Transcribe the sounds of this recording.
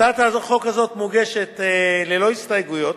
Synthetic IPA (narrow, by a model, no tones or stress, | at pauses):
at̪aːzoχo̞kazo̞t̪moɡe̞ʃetlelo̞istajɡujo̞t